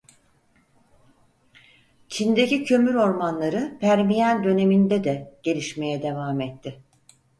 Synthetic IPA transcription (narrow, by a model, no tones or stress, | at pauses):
t͡ʃʰind̪ecicʰø̞myɾo̞ɾmanlˠaɾɯpʰæɾmijænd̪ø̞ne̞mind̪ɛd̪ɛɟ̥e̞lʲiʃme̞jɛd̪e̞vaːmɛt̪ʰːɪ